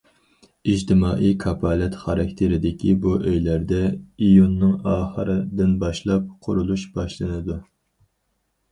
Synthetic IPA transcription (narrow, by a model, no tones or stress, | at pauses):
id͡ʒt̪ʰɪmɑːʔijkʰɑpʰɑːlɛt̪χɑɾɑkʲt̪ʰɪɾɪd̪ɪkʲʰibuʔøjlæɾd̪ɛijunːɨŋɑːχəɾɨd̪ɪnbɑʃlˠɑp̚qʰʊɾulˠuʃb̥ɑʃlˠɨnɨd̪u